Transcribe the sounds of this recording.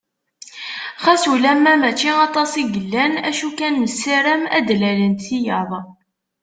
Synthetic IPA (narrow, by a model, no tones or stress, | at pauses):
χæsulæmːæmæt͡ʃːiɑt̪ˤɑsˤiɡəlːænæʃukænməsːiɾəmæ̰d̪lælənt̪θijəðˤ